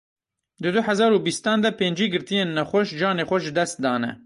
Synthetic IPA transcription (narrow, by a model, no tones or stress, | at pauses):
d̪ɨd̪ʊħɛzɑːɾuːbist̪ɑːnd̪ɛpeːnd͡ʒiːɡɨɾt̪ijeːnːɛxʷɔʃd͡ʒɑːneːxʷɛʒɨd̪ɛst̪̚d̪ɑːnɛ̰